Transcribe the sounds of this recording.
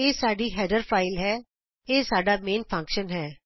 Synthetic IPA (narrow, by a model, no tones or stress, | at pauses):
eːsaːɖiɦɛːɖəɾfaːɪlɦɛː | eːsaːɖamẽːnpʰɐ̃ŋkʃənɦɛː